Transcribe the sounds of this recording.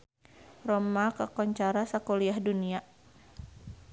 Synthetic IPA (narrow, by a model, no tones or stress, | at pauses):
rɔmakəkɔɲt͡ʃaɾasakoliahdunia